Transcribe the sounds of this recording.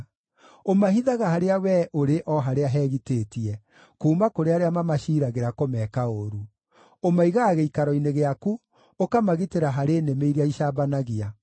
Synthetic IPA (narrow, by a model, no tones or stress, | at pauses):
omaɦiðaɣaɦaɾeawɛʔoɾeʔɔɦaɾeaɦɛːɣiteːtiɛ | kuːmakoɾeaɾeamamaʃiːɾaɣeɾakomɛːkaoɾu | omaiɣaːɣeikaɾɔineɣeaku | okamaɣiteɾaɦaɾeːnemeiɾiaiʃaːbanaɣia